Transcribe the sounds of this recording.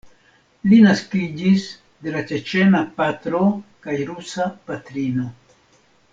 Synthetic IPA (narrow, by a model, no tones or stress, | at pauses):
linaskid͡ʒis | d̪e̞lat͡ʃet͡ʃe̞napatɾo̞kajɾusapatɾino̞